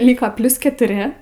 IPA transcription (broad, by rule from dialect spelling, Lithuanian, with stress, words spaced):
ˈlʲiːkoː ˈpʲlʲʊs kʲɛtʊˈrʲɪ